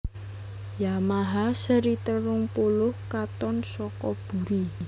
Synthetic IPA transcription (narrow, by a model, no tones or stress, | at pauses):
jamaɦasəɾit̪ərːʊŋpulʊhkat̪ɔnsɔkɔb̥ṳɾi